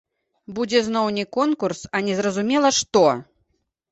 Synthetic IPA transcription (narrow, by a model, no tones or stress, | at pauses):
bud͡zʲɛznɔwnʲɛkɔnkursɐnʲɛzrɐzumʲɛlˠɐʂt̪ɔ